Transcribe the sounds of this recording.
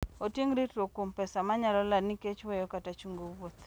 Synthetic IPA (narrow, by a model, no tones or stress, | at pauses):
otiŋɾitɾokompɛsamaɲalɔlaniket͡ʃwɛjɔkatat͡ʃuŋɡowot̪